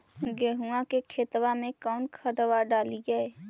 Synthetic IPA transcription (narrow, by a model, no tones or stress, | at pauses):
ɡɛːɦũãkekʰeːt̪wamẽkɔːnkʰəd̪əʋaɖaːlid͡ʒae